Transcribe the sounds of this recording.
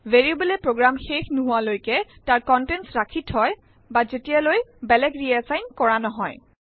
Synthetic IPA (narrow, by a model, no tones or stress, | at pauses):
veɹiobɔlɛpɹoɡɹamxexnuɦʊalojkɛtaɹkɔntɛnsɹakʰithɔj | bazetijalojbɛlɛɡɹiɛzajnkɔɹanɔɦɔj